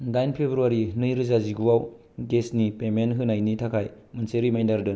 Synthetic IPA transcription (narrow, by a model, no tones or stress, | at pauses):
dajnpʰebɾuaɾinɯjɾɯzaziɡuwaw | ɡesnipemenɦɯnajnitʰakʰaj | mɯnseɾimajndaɾdɯ